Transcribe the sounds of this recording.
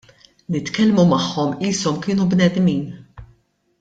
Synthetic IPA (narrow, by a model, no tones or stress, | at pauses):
nɪt̪kɛlmumɐħːɔmiːsɔmkɪːnubnɛd̪miːn